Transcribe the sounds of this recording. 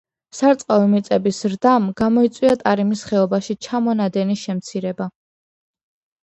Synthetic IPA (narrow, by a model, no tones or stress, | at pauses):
saɾt̪sʼqʼavimit̪sʼɛbisɾd̪amɡamɔit̪sʼwiat̪ʼaɾimisχɛɔbaʃit͡ʃʰamɔnad̪ɛniʃɛmt̪sʰiɾɛba